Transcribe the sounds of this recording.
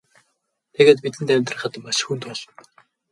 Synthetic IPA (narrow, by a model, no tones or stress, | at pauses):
t̪ʰeɣeːt̪pit̪ɘ̆nt̪ʰæmʲt̪rə̆χə̆t̪mːaʃxunt̪ʊːɮn